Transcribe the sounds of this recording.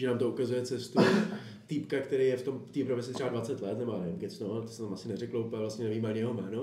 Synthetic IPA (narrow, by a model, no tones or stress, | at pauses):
ʒɛnaːmt̪oukazujɛt͡sɛst̪u | t̪ɪpkakt̪ɛɾejjɛft̪omft̪iːpɾomɪsɪt̪r̥ɛbadvat͡sɛt̪lɛt̪nɛbojaːnɛvɪmɡɪt͡snoalɛt̪osɛt̪amʔasɪnɛrɛklouplɛvlast̪ɲɛnɛviːmaɲɛjɛɦomɛːno